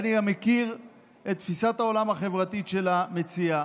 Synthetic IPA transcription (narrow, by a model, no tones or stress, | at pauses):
aniɡamːekiʁ | e̞t̪̚ːfisat̪hao̞lamaχe̞vʁat̪iʃe̞lame̞t͡sia